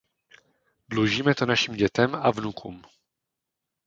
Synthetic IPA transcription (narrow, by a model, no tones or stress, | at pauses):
dluʒiːmɛt̪onaʃiːmɟɛt̪ɛmavnukʰṵːm